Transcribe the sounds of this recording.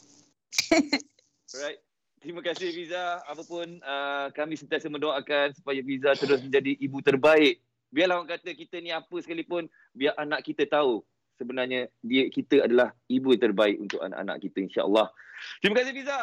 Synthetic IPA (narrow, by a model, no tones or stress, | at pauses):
rajt̪̚ | t̪ɾiməkasɪhfizaːpəpʊnəkamĩsənt̪iasəmə̃ndoakansu̥pajafizat̪əɾʊs̬mə̃ɲd͡ʒadiːbut̪ərbaɪʔ̚ | biaʔlahwaŋkat̪əkit̪ənĩapəsə̥kalipʊn | biaʔanaʔkit̪ət̪au | səbənarɲədiəkit̪əadalahibut̪ərbaɪkṵnt̪ʊka̰na̰ʔa̰na̰ʔkit̪əinʃa̰ʔə̰lːɑht̪ɾimakasɪhfiza